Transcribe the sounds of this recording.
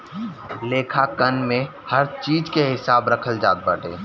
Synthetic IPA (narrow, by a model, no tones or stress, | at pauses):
leːkʰakənmẽ | hɐɾt͡ʃiːd͡ʒkeɦɪsaːbɾɐkʰəld͡ʒa̰ːt̪̚bəʈḛː